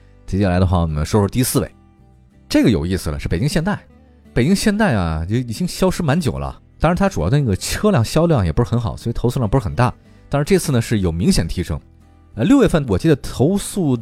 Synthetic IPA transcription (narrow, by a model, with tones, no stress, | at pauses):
t̪ʰi˧˥t͡ɕɛ˥˩la˧˥ɪd̪ə˧xwa˥˩˧n˥˩mə˦nʂwɔ˥ʂ̩˥˧t̪i˧˥sɹ̩˥˧wḛ˥˩ɪ | ʈ͡ʂɤ˥˩ɡə˩jo˨˩ʊi˥˩sɹ̩˩lə̰˩ʂɻ̩˥˩pe˨˩t͡ɕi˥ŋɕjɛ˥˧nt̪a˥˩ɪ | pe˨˩ɪt͡ɕi˥ŋɕjɛ˥˧nt̪a˥˩ɪa̰˨˩˧i˨˩t͡ɕi˥ŋɕjɑ˥ʊʂɻ̩˥ma˧˥nt͡ɕjo˨˩ʊlə̰˦t̪a˥ŋɻa˧˥t̪ʰa˥ʈ͡ʂu˨˩ɑ˥˩˥ni˥˩ə˩t͡ɕʰɤ˥ljɑ˥˩ŋɕjɑ˥ʊljɑ˥˩ŋjɛ˨˩pu˧˥ʂ̩˥xnxɑ˨˩˦ʊswɔ˧˥i˨˩t̪ʰsu˥˧jɑ˥˩ŋpu˧˥˩xə˨˩nt̪a˥˩ | t̪a˥ŋʂɻ̩˧ʈ͡ʂɤ˥˧t͡sʰɹ̩˥˩nə˩ʂɻ̩˥˩jo˨˩ʊmi˧˥ŋɕjɛ˨˩nət̪ʰi˧˥ʂɤ˥ŋ | ə˧ljo˥˧ʊjɛ˥˧fə˥˩nwɔ˨˩t͡ɕi˥˩d̪ə˩t̪ʰo˧˥ʊsu˥˩